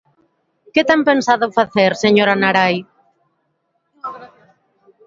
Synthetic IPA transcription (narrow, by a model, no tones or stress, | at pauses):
ket̪ampensaðʊfaθeɾseɲoɾanaɾaj